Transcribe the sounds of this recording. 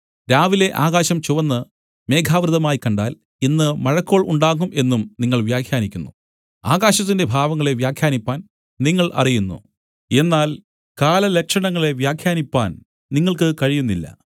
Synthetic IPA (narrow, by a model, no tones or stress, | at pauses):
ɾaːʋile̞ʔaːɣaːɕɐmt͡ɕuʋɐnːɨ | me̞ːkʰaːʋɾɨðɐmaːjikɐɳɖaːl | inːɨmɐɻɐkːoːɭuɳɖaːɣumʔe̞nːumniŋːɐɭʋjaːkʰjaːnikʲːunːu | aːɣaːɕɐt̪ːinde̞bʱaːʋɐŋːɐɭe̞ʋjaːkʰjaːnipːaːn | niŋːɐɭʔɐ̰rijunːṵ | e̞nːaːl | kaːlɐle̞kʂɐɳɐŋːɐɭe̞ʋjaːkʰjaːnipːaːn | niŋːɐɭkɨkɐɻijunːilːɐ̰